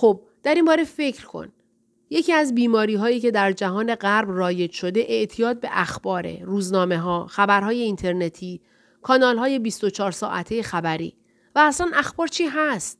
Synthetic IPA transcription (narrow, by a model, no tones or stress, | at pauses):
xob̚ | d̪̥æɾimbɒːɾe̞fe̞cʰɾkʰo̞̰n | je̞cʰiæzbiːmɒːɾiːɦɒːiːce̞d̪æɾd͡ʒæɦɒːne̞ɢæɾbrɒːje̞d͡ʒʃo̞d̪e̞ʔeʔt̪ʰijɒːd̪̚be̞ʔæxb̥ɒːɾḛruːznɒːme̞ɦɒːxæbæɾɦɒːje̞int̪ʰe̞ɾne̞t̪ʰiː | kʰɒːnɒːlɦɒːje̞bist̪ot͡ʃʰɒːɾsɒːʔæ̰t̪ʰejexæbæɾḭː | væːslænʔæxb̥ɒːɾt͡ʃʰiːɦæst̪̚